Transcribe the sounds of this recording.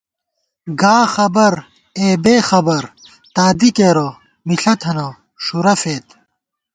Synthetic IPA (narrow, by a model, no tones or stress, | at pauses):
ɡaːxɐbɐɾ | eːbeːxɐbɐɾ | t̪aːd̪ikeːɾo | miɬɐt̪ʰɐno | ʂuɾɐfeːt̪